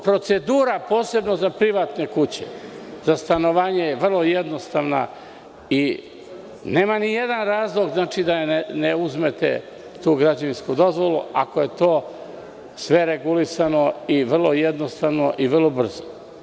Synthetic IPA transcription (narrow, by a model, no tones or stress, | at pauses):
pɾo̞t̪se̞d̪uːɾapo̞ːse̞bnozapɾiʋaːt̪ne̞kut͡ɕḛzast̪ano̞ʋaːɲejeʋr̩lˠo̞jed̪no̞st̪aːʋna̰ | i | neːmanijed̪anɾaːzlˠo̞ɡznaːt͡ʃid̪aneuzme̞t̪ḛ | t̪uːɡɾad͡ʑaʋinskud̪o̞zʋo̞lˠṵa̰koje̞t̪o̞ː | sʋe̞ɾe̞ɡulisano̞iʋr̩lˠojed̪nost̪aːʋno̞ʔiʋr̩lˠo̞br̩zo